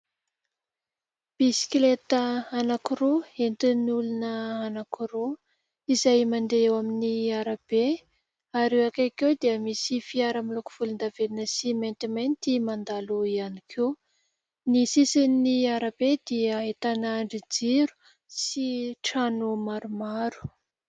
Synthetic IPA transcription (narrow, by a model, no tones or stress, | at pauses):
b̥isi̥klet̪əanakiɾoent̪inulunəanakiɾo | izajmand̪eewaminiaɾab̥e | aɾewakakewd̪iəmisifiaɾamiluku̥v̥ulund̪avelinəsiment̪iment̪imand̪aluianikʰew | nisisinniaɾabed̪iəet̪anaɳɖ͡ʐid͡ziɾu̥ | siʈ͡ʂanumaɾumaɾu̥